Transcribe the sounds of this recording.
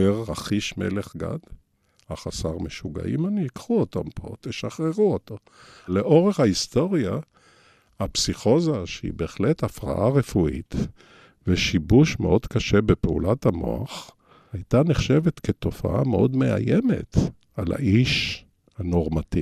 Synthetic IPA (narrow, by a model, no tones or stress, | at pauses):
eʁːaχiʃme̞̰leχɡa̰d̪ | haχasaʁmeʃuɡa̰ʔimaniikχuotampʰo̞̰t̪eʃaχʁeʁuoto | le̞ʔo̞ʁeχhaist̪o̞ʁja | hapsiχo̞zaʃeḭbe̞eχletafʁa̰ʔaʁefuḭt | veʃibuʃmḛʔo̞dkaʃe̞bepeṵlathamo̞̰a̰χ | hajt̪aneχʃe̞vetketo̞fa̰ʔa̰meʔo̞dme̞a̰jeme̞̰t | ala̰ʔiʃ | hano̞ʁmati